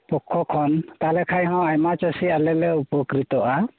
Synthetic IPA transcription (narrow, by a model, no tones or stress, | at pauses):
pɔkʰːɔkʰɔnt̪alɛkʰajɦɔ̃ajmat͡ʃasialɛlɛupɔkɾit̪ɔʔa